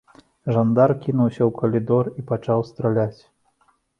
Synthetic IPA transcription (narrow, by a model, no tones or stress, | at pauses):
ʐand̪arkʲinuwsʲɐwkɐlʲid̪ɔripat͡ʂawst̪ɾalʲat͡sʲ